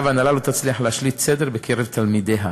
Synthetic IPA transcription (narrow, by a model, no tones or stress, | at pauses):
vanalalot̪at͡sliaħlehaʃlit̪sed̪eʁbekʰeʁevt̪ʰalmid̪eɦa